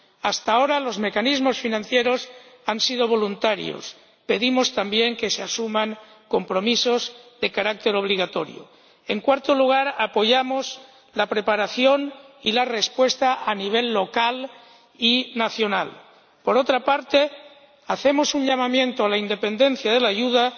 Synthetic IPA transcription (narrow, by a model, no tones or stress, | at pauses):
ast̪aoɾalo̞zme̞kanizmo̞sfinãnθje̞ɾo̞sansiðoβ̞o̞lunt̪aɾj̰o̰s | pe̞ðimost̪ambje̞ŋke̞seasumaŋ | ko̞mpɾo̞misozðe̞kaɾak̚t̪e̞ɾo̞β̞liɣ̞at̪o̞ɾj̰o̰ | eŋkwaɾt̪oluɣ̞aɾapo̞ʝamoz | lapɾe̞paɾaθjo̞nilare̞spwe̞st̪aʔaniβ̞e̞lːo̞kal | inaθjo̞na̰l | po̞ɾot̪ɾapaɾt̪e̞ | aθe̞mo̞suɲʎamamjẽ̞nt̪oalaind̪e̞pe̞nd̪e̞n̟θjað̞elaʝuða